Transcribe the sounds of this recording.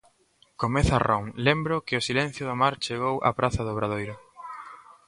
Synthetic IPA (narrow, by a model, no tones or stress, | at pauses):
komeθarʔoŋlembɾʊkɪʊsilɛn̟θjʊðamaɾt͡ʃeɣ̞owʔɐ̰pɾʔaθɐðʊβɾaðojɾʊ